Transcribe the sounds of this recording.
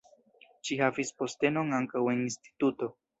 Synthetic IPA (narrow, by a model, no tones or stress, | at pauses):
ʃihavispo̞ste̞no̞ŋaŋkawe̞ninsti̥tuto̞